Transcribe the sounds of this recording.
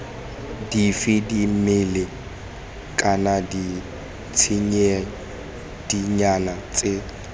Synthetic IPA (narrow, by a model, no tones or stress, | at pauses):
difɪdimɪlɪ | kʼanadi | t͡sʰɪɲe | d̥iɲanat͡sʼe